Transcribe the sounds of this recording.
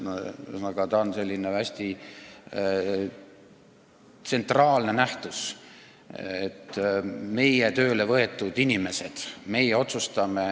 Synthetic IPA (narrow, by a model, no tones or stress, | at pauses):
ɑɡ̥ɑt̪ɑnse̞lʲːinevæsʲt̪i | t̪se̞nt̪ˑrɑːlne̞næht̪us | et̪ːme̞jet̪ø̞ːle̞vɤ̞e̞t̪ːˑud̪inʲime̞se̞d̪̥me̞jeo̞t̪sust̪ɑme̞